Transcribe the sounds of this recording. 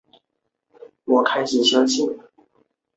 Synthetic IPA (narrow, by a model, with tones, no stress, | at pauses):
wɔ˨˥kʰa˥ɪt͡ɕʰi˨˩ɕjɑ˥t͡ɕʰi˥˩